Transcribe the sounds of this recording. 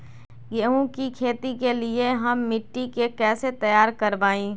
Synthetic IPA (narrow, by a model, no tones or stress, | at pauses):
ɡeũkikʰeːt̪ikelieɦɐmːɪʈːikekɛːset̪ɐjaːɾkɐɾʋaːĩː